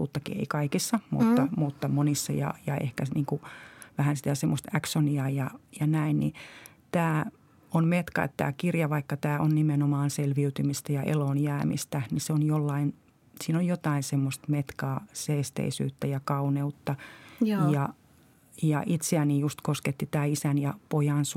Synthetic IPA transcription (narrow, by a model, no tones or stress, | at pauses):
t̪ṵːt̪ːɑkḭḛikɑikisːɑmṵt̪ːɑmut̪ːɑmonisːɑ̰jɑ̰jɑ̰ḛhkæniːŋkuʋæhænsi̥t̪æsemːost̪æksoniɑjɑjɑnæinnḭ | t̪æː | onmet̪kɑ̰ḛt̪t̪æ̰ːkirjɑʋɑikːɑt̪æːʔonnimenomɑːnselʋiyt̪ymist̪æjɑʔḛloːnjæːmḭst̪æniseonjolːɑin | siːnojjot̪ɑinsemːost̪met̪kɑːseːst̪ḛisy̰ːt̪ːæjɑkɑuneut̪ːɑ | jɑ | jɑ̰ʔit̪seænijust̪kosket̪ːit̪æːisænjɑpojɑns